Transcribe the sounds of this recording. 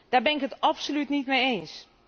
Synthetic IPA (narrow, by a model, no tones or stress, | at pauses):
d̥aːɹbɛnɪkətɑpsolytnitmejejns